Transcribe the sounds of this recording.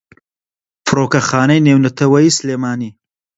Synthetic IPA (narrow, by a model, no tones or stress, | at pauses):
fɨɾoːkɐxaːnɐjneːwnɐt̪ʰɐwɐjiːsleːmaːniː